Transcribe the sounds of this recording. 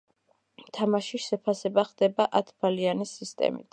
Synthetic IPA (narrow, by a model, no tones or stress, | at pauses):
t̪ʰamaʃiʃɛpʰasɛbaχd̪̥ɛbaʔat̪ʰbalianisist̪ʼɛ̰mḭt̪ʰ